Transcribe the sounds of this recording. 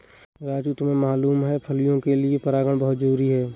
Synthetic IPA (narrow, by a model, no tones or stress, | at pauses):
ɾaːd͡ʒut̪mẽmaːluːmɦɛpʰəlijõkeliepəɾaːɡəɽ̃bəɦʊt̪zəɾuːɾiɦɛː